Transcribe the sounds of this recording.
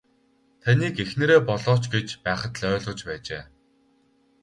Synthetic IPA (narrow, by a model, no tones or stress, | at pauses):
t̪ʰaniːkexnɘ̆ɾeːpɔɮɔːt͡ɕɡet͡ɕpæːχə̆t̪ɮœːɮʊ̆ːt͡ɕpæːt͡ɕḛː